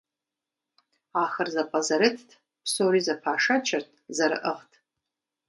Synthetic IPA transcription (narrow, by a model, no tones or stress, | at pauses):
axərzapʼazɐɾɨtʰtʰ | pʰsoɾizapʰaːʂat͡ʃʰartʰʼzaɾɨ̰ʔəχtʰʼ